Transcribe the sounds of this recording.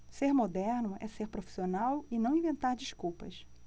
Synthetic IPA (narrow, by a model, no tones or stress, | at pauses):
seɾmod̪ɛɾnʊʔɛseɾpɾofi̥sionawɪnɐ̃w̃ĩvẽnt̪aɾd͡ʒiʃkuwpɐ̰s